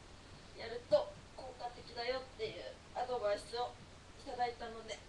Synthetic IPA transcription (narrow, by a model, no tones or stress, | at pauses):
jaɾɯ̟t̪o̞ | ko̞ːkat̪e̞kʲid̪ajo̞t̪ːe̞jɯ̟ː | ad̪o̞baisɨo̞ | it̪ad̪ait̪ano̞d̪e̞